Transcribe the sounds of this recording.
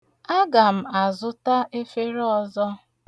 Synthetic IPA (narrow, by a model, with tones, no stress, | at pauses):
a˦ɡa˨m̩˨a˨zʊ˦ta˦ʔe˦fe˦ɾɔ˨zɔ˦